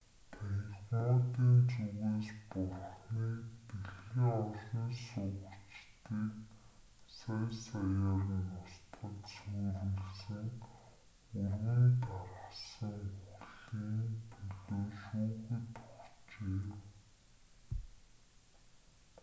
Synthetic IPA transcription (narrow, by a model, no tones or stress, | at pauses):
t̪ʰæjɮmʊːt̪iːnt͡sɵɣeːspʊrχniːpiɮɣiŋɔɮiːnsʊɣut͡ɕt̪iːk | sæjsajaːriːʊst̪χə̆t̪suːɾuɮsɘ̆ŋ | ɵrwɘ̆nt̪ʰaɾə̆sə̆ŋxuɮiːŋpʰɵɮoːʃuːxɘ̆t̪u̥xt͡ɕeː